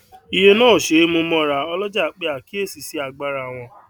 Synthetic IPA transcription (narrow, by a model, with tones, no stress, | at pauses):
i˧je˧nãː˦˨ʃe˨˦mo˧mɔ̃˧ɾa˨ɔ˧lɔ˦d͡ʒa˦˨k͡pe˦˧a˨ki˦e˦˨si˨si˦a˧ɡ͡ba˧ɾa˧˨w̃ɔ̃˧